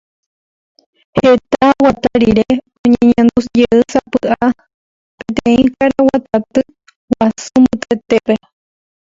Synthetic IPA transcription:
het̪awat̪aɾiɾe | oɲẽɲẽnd̪ud͡ʒeʔɨsapɨʔa | pẽt̪ẽĩkaɾawat̪at̪ɨ | wasɨmbɨt̪et̪eβe

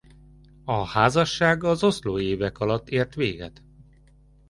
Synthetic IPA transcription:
ɒhaːzɒʃːaːɡɒzo̞sloːeːvɛkɒlɒt̪ːeːrt̪ʋeːɡɛ̰t̪

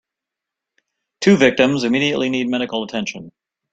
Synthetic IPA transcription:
tʰʉvɪk̚tɨ̃mzɨmiɾiɨʔlinid̚mɛɾɨkl̩ˠətʰɛ̃nʃɨ̃n

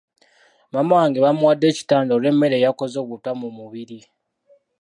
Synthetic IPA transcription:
mamawaːŋɡeβamuwadːe̞ːci̥taːndole̞mːe̞ɾeːjako̞zo̞ːβutamumuβiɾi

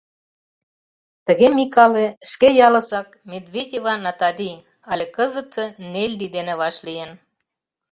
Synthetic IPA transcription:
t̪ə̆ɣemikɑleʃkejɑlɤ̆sɑk̚mʲed̪βʲedʲevɑnɑt̪ɑlʲi | ɑlʲekɤzə̆t̪ĕnelʲːid̪enĕβɑʃlijen

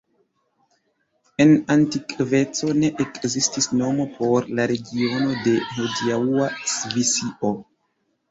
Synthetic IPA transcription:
e̞nantikve̞t͡so̞ne̞ʔekzistisno̞mo̞pʰo̞ɾlaɾe̞ɡio̞no̞de̞hodiauasvisiʔo̞

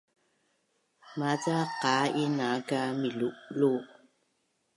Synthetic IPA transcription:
mat͡saqainakamiluʔlu

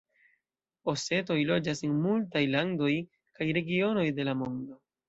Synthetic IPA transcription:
o̞se̞to̞jlo̞d͡ʒasenmultajlando̞j | kajɾe̞ɡio̞no̞jde̞lamo̞ndo̞

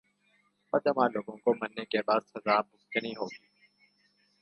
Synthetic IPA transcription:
pɐd̪əmãloːɡõkomɐnːekebaːd̪sɐzaːmʊskɪniɦoːɡiː

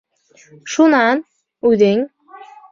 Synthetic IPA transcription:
ʃunɑn | ʉðeŋ

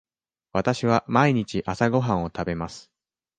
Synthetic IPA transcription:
βat̪aɕiβamaiɲ̟it͡ɕiʔasaɡo̞ɦãɰ̃o̞t̪abe̞masɨ̥

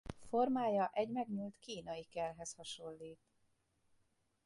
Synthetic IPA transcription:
fo̞rmaːjɒʔɛɟmɛɡɲult̪kiːnɒjikɛrɦɛshɒʃo̞lːiːt̪

